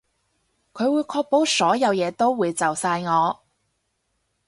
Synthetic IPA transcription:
kʰɵ˨˧ɥwuː˨˧jkʰɔː˧k̚po˨˥wsɔː˨˥jɐ˨˧wjɛː˨˧t̪o˥wwuː˨˧jt͡sɐ˨wsaː˧jŋɔː˨˧

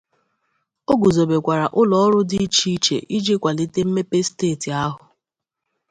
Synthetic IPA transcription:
o˦ɡu˨zo˨be˨kʷa˨ɾa˨ʔʊ˦lɔ˦ɔ˦ɾʊ˦dɪ˦i˦t͡ʃi˦t͡ʃḛ˨ʔi˦d͡ʒi˦kʷa˨li˦te˦m̩˦me˦pe˦steː˦˨ti˨a˦ɦʊ˨

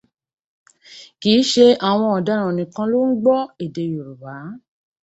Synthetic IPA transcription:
kiː˨˦ʃe˧a˨w̃ɔ̃˧ɔ˨da˨˦ɾ̃ũ˧˨nĩ˧kã˧lo˦ŋ̩˦ɡ͡bɔ˦e˨de˧jo˨ɾu˨ba˨˦

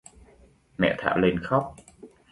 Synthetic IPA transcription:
mɛ̰˧˨t̪ʰa̰ː˧˩wle˧nxɔ˦˥wk͡p̚

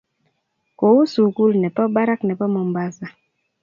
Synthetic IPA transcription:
ko˨u˦su˨ku˦lnɛ˨pɔ˦ba˦ɾa˦knɛ˨pɔ˦mɔ˨mba˦sa˨

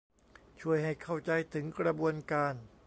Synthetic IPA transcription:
t͡ɕʰu˥˩əjɦa˥˩jkʰa˥˩wt͡ɕa˧jt̪ʰɯ˩˦ŋkɾa˧bu˧ənkaː˧n

